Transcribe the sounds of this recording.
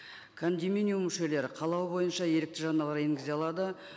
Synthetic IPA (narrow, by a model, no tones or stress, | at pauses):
kʰond̪ʲimʲinʲijumːʏʃe̞le̞ɾɪqʰɑlˠɑwbo̞jənʃɑje̞ɾɪk̚t̪ɪʒɑnɑlˠɑɾeŋɡʲɪzeɑlˠɑd̪ə